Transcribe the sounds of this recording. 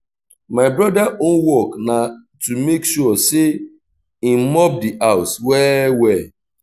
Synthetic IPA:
maɪbɾɔdaʔonwɔkna | tumekʃuɔse | im̩mɔp̚diʔaʊswɛwɛ

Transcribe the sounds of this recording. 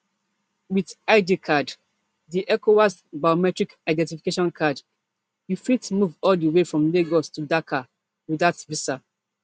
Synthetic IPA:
wiðaɪdikʰad | diʔɛkowasbajomɛtɹikaɪdɛ̃ntifikeʃɔ̃nkʰad | jufitmuvɔldəwefɹɔ̃mleɡɔstʰudakʰa | wiðatvisa

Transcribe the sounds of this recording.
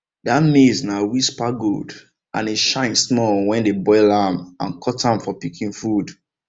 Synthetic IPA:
damesnawispaɡo̰d | ʔã̰niʃãɪ̃nsmɔwɛ̃ndebɔɪlãmã̰nkʰɔtãmfɔpikʰĩŋfud

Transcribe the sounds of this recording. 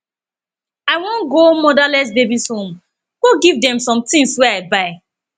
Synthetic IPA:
aɪwɔ̃nɡomɔdalɛs̬bebishõm | ɡ̥oɡivdɛ̃msɔ̃mtĩŋswɛaɪbaɪ

